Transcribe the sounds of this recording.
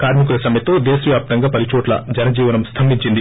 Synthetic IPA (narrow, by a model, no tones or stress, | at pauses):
kaːɾmik̬ulɐsɐmɐjɐt̪oːd̪eːsɐʋjaːp̚t̪ɐŋɡaːpɐlit͡ʃoːʈlɐ̰d͡ʒɐnɐd͡ʒiːʋɐnɐmst̪ʰɐmbiɲt͡ʃind̪i